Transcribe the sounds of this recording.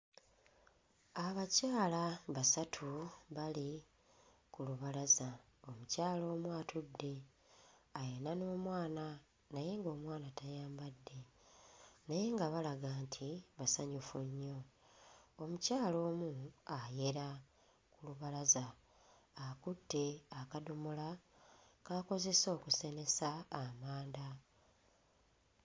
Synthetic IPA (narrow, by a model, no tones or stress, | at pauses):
aβacaːlaβasatʰuβali | kuluβalaza | o̞mucaːlo̞ːmuatʰudːe̞ | ajenano̞ːmwaːna | naje̞ŋɡo̞ːmwaːnatʰajaːmbadːe̞ | naje̞ŋɡaβalaɡaːntʰiβasaɲufuɲːo̞ | omucaːlo̞ːmuaje̞ɾa | kuluβalazaː | kudːe̞akadumula | kako̞ze̞so̞ːkuse̞ne̞saːmaːnda